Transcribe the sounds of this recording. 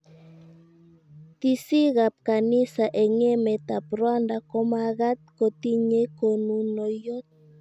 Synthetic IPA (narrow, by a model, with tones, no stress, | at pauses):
t̪i˦si˦ɣa˨p̚ka˨ni˦sa˨ʔɛ˨ŋɛ˦mɛ˨t̪a˨pɾwa˦nda˨kɔ˦ma˦ɣa˦t̪̚ko˨t̪i˦ɲe˦ko˨nu˨nɔ˨jo˦t̪̚